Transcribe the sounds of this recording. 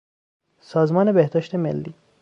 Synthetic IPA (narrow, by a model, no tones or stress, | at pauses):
sɒːzmɒːnebehd̪ɒːʃt̪e̞mḛlːiː